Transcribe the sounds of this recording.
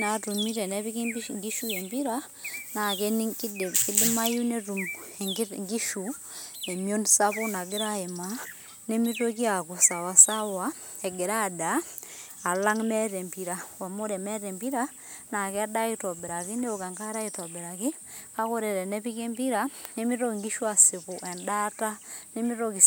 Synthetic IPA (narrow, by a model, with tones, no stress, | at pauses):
na˨tu˨mi˦ɾɛ˨nɛ˦βi˦ki˦mbiŋɡi˦ʃu˦je˨mbi˦ɾa˦ | na˨kɛ˦n˦˨ki˦di˦ma˦ju˦ne˦ɾu˨m˨ŋ˦ŋɡi˦ʃu˨ | e˨mjo˦nsa˦βo˦na˨ɡɪ˦ɾa˦e˨ma˦ | ne˦mi˦to˦ki˦a˨ku˨sa˨wa˨sa˦wa˦ | ɛ˨ɡe˨ɾa˦daː˨ | la˦ŋmɛ˦ɾe˨mpi˨ɾa˨wa˨mo˦ɾɛ˨mɛ˦ɾe˨mbi˦ɾa˦ | na˨kɛ˦da˦i˦twa˨be˨ɾa˨ki˦ne˦o˨ka˨ŋka˦ɾa˦i˦twa˨be˨ɾa˨ki˦ | ka˦ko˦ɾɛ˨ɾɛ˨nɛ˦pi˦ke˦mpi˦ɾa˦ne˦mi˦ɾo˦kŋɡi˦ʃu˦a˨si˨po˨ʔɛ˨nda˦ta˦ne˦mi˦ɾo˦ki˨